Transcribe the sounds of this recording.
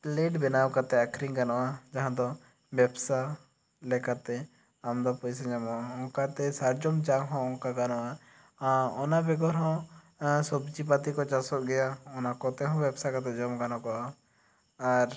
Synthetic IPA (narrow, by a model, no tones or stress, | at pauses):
leʈbɛnawkat̪ɛakʰɾiŋkanɔʔad͡ʒaɦãd̪ɔ | bɛbsa | lɛkat̪ɛ | amd̪ɔpɔjs̬ɛɲamɔaɔ̃kat̪ɛsaɾd͡ʒɔmd͡ʒaŋɦɔ̃ɔkakanɔʔa | ɔnabɛɡɔɾɦɔ̃ | sɔbd͡ʒip̬at̪ikɔt͡ʃasɔʔɡɛjaɔnakɔt̪ɛɦɔ̃bjɛbsakat̪ɛd͡ʒɔmkanɔ̃kɔʔaː | ɾ